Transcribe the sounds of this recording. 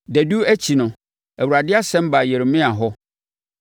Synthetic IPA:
dæ˨du˦æ˦t͡ɕʰi˨nʊ̃˨ | æ˨wu˨ɾa˨dɪ˦a˦sɛ̃˦m˦ba˨jɛ˨ɾmɪ̃˦a˨ɦɔ˦

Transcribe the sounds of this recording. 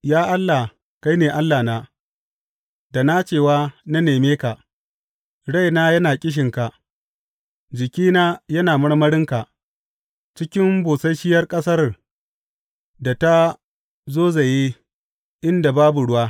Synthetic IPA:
jaː˦ʔa˦lːa˨ | ka˦jneː˨ʔa˦lːaː˨naː˦ | da˨naː˦t͡ʃeː˦˨waː˦na˦neː˨meː˦ka˨ | ɽa˦˨jnaː˦jɐ˦naː˨kʲʼɪ˦ʃ̬ɪ˨ŋka˨ | d͡ʒɪ˨kʲiː˦naː˦jɐ˦naː˨mɐ˦ɽmɐ˦ɽɪ˦ŋka˨ʔ | t͡ʃɪ˦kʲɪ˦mboː˨sɐ˦jʃɪ˦jɐ˦rkʼɐ˦sɐ˦r | da˨ta˦ | zoː˦ze˨je˦ | ʔɪ˦nda˨baː˦bu˨ɽʊ˦waː˦

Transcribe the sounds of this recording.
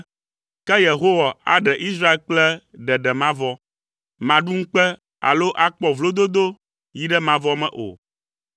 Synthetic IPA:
kɛ˦je˨ɦo˦wa˨a̰˦ɖɛ˨ʔi˦s̬ɾa˦e˦lk͡plɛ˦ɖɛ˨ɖɛ˨mã˦vɔ˦ | mã˨ɖu˦ŋ̩˦k͡pɛ˦ | a̰˨lo˦ʔa˦k͡pɔ˨vlo˦d̪o˦d̪o˦ | ji˦ɖɛ˦mã˨vɔ˦mɛ̰̃˦ʔo̰˨

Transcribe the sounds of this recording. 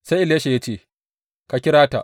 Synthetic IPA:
sa˦jʔɪ˨le˦ʃe˨ja˦t͡ʃeː˦˨ | ka˨kʲɪ˦ɽaː˦ta̰˨ʔ

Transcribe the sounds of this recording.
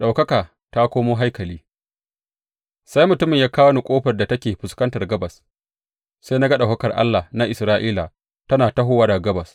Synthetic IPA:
ɗa˨wkɐ˦kaː˨ | ta˦kʷoː˦moː˦ɦa˦jkɐ˨liː˦ | sa˦jmʊ˨tʊ˦mɪ˨ɲjaː˦kaː˦wnu˨kʷʼoː˦ɸɐ˨rda˨tɐ˦kʲeː˨ɸʊ˨skɐ˦ntɐ˨rɡɐ˦bɐ˨s | sa˦na˦ɡɐ˦ɗa˨kɐ˦kɐ˨rʔa̰˦lːa˨na˦ʔɪ˨sɾaː˦ʔiː˦la˨ | tɐ˦naː˨ta˦ɦʊː˦waː˦da˨ɡɐ˦bɐ˨s

